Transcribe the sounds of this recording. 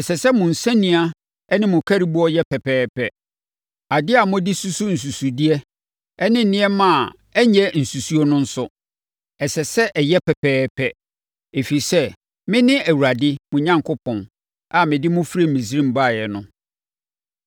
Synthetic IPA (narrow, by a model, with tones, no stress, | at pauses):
ɛ˨sɛ˨sɛ˦mʊ̃˨n̩˨sã˦nĩ˨a˦ | ɛ˦nɪ̃˦mʊ̃˨kʰæ˦ɾi˦bu˦ɔ˦jɛ˦pʰɛ˨pʰɛː˦pʰɛ˦ | a˨dɪ˦a˨mʊ̃˦di˦su˦su˦n̩˨s̬u˨su˨di˦ɛ˦ | ɛ˦nɪ̃˦n̩˨nɪ̃˦ɛ˦mã˨ | ɛ˦ɲɛ̃˦n̩˨su˨su˦o˦nʊ̃˦n̩˦sʊ˦ | ɛ˨sɛ˨sɛ˦ʔɛ˨jɛ˦pʰɛ˨pʰɛː˦pʰɛ˦ | e˨fi˨i˨sɛ˦ | mɪ̃˦nɪ̃˦æ˨wu˨ɾa˨dɪ˦mʊ̃˨ɲã˦ŋkʰʊ˦pʰɔ̃˨n | a˨mɪ̃˨dɪ˦mʊ̃˦fɾe˦˨m̩˨mĩ˨s̬ɾĩ˦˨m̩˨ba˦˨jɛ˨nʊ̃˦